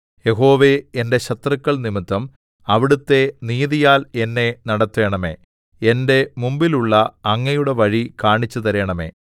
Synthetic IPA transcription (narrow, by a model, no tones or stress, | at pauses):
je̞ɦo̞ːʋe̞ende̞ɕɐt̪rɐkːɐɭnimit̪ːɐm | ɐʋiɽut̪ːe̞niːðijaːle̞nːe̞nɐɽɐt̪ːʋe̞ːɳɐme̞̰ː | ende̞mumbiluɭːɐɐŋːɐjuɽe̞ʋɐɻikaːɳit͡ɕːut̪ɐɾeːɳɐme̞̰ː